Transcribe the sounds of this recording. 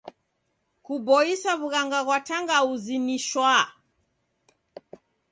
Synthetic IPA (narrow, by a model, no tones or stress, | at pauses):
kubɔisaβuɣaŋɡaɣwataŋɡauziniʃwa